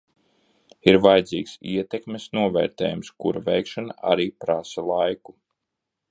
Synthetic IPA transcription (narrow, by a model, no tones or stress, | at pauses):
iɾvajd̪zḭːksiɛt̪ekmʲesnuɔvɛːɾt̪ɛ̰ːjumskuɾavɛjkʃanaa̰ɾiːpɾasalˠajku